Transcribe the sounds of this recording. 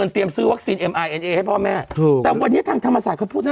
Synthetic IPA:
ə˧nt̪i˧əmsɯː˦˥wa˦˥k̚siː˧nʔe˧mʔa˧jʔe˧nʔeː˧ha˥˩jpʰɔː˥˩mɛː˥˩t̪ʰːt̪ɛː˨˩wa˧nːi˦˥˩t̪ʰaː˧ŋt̪ʰa˧mːa˧saː˨˩t̚kʰa˥pʰu˥˩naː˥

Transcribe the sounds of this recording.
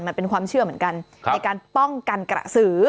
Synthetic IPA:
nma˧npe˧nkwaː˧mt͡ɕʰɯ˥˩ɐmɯ˩˦ənka˧nʰ | a˧jkaː˧npɔ˥˩ŋka˧nkɾa̰˨˩sɯː˩˦

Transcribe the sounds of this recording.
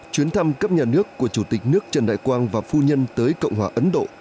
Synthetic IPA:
t͡ɕwi˨˦ənt̪ʰa˧mkə˦˥p̚ɲaː˨˩nɨ˦˥əkːu˧˩ət͡ɕu˧˩t̪ï˨˩k̟̚nɨ˦˥ək̚t͡ɕə˨˩nɗa̰ː˧˨jkwaː˧nvaː˨˩fu˧ɲə˧nt̪əː˨˦jkə̰˧˨wŋ͡mɦwaː˨ʔə˨˦nɗo̰˧˨

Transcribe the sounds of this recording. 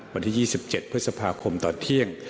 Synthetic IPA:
wa˧nt̪ʰiː˥jiː˥˩si˨˩p̚t͡ɕe˨˩t̪̚pʰɯ˥t̪̚sa˧pʰaː˧kʰo˧mt̪ɔː˨˩nt̪ʰi˥˩əŋ

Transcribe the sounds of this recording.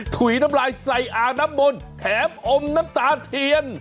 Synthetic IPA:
t̪ʰwi˨˦na˦˥mlaː˧jsa˧jʔaː˧naː˦˥mːo˧nt̪ʰɛː˨˦mʔo˧mnaː˦˥mt̪aː˨˧˦t̪ʰi˧ən

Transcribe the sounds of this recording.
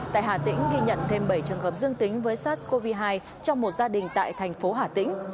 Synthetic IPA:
t̪a̰ː˧˨jɦaː˧˩t̪ḭ˧˥ŋ̟ɣi˧ɲə̰˧˨nt̪ʰe˧mɓə˧˩jt͡ɕɨ˨˩əŋɦəː˨˩p̚zɨ˧əŋt̪ï˨˦ŋ̟vəː˨˦jsaː˦˥t̚ko˧vi˧ɦaː˧j | t͡ɕɔ˧wŋ͡mmo˨˩t̚zaː˧ɗï˨˩ŋ̟t̪a̰ː˧˨jt̪ʰɛ˨˩jŋ̟fo˨˦ɦaː˧˩t̪ḭ˧˥ŋ̟

